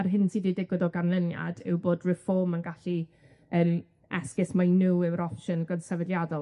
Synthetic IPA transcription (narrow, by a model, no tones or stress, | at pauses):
arɦɪnsiːdidɪɡwɪðɔɡanlˠənja̰d̥ɪ̰wboːdrɪfɔːmənɡaɬi | ən | ɛskɪsmajnuɪwɾɔʃənɡɔdsɛvɛdjadɔ